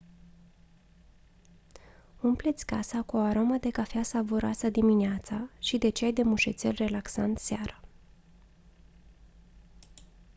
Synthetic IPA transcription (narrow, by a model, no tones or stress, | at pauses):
umple̞t̪sʲkasakuoaɾo̞mad̪e̞kafeasavoɾa̰sad̪imineat̪saʃid̪e̞t͡ʃajd̪e̞muʃḛt̪sʲe̞̰lʲre̞laksant̪seaɾə